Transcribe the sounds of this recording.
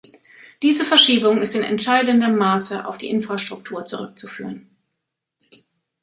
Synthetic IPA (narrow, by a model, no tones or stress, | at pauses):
d̥iːzəfɛɐʃiːbʊŋɪstɪnɛ̰ntʃaɪdən̩dəmːaːsəʔa̰ʊfd̥ḭːʔɪnfʁ̥aʃtʁ̥ʊk̚tʰuːɐt͡suʁʏk̚t͡sufyːʁən